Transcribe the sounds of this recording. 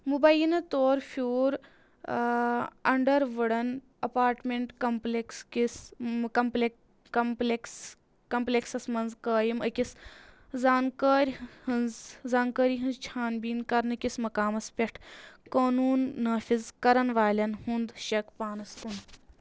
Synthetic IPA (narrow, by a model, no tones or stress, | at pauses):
mubɐjinɐt̪oːɾfuːɾ | ɐ̰ɳɖɐɾʋɐɽɐn | ɐpaːɾʈmeɳʈkɐmplekskiskɐmple | ɐmpleks | kɐmplʲeksɐsmɐnzkəːjimɐkʲiszaːnkəːɾʲhɐnzzaːnkəːɾiɦɨnzt͡ʃʰaːnbiːnkɐɾnɐkʲismɐkaːmɐspʲɐʈʰkoːnuːnːɐːfʲizkɐɾɐnʋaːlʲɐnɦũnd̪ʃɐkpaːnɐst̪und̪